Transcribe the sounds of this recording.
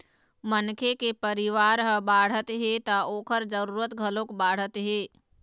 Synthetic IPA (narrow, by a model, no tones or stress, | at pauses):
mənkʰekepəɾɪʋaːɾɦəbaːɽ̤ət̪ɦet̪aoːkʰəɾd͡ʒəɾuːɾət̪ɡʱəlõkbaːɽ̤ət̪ɦeː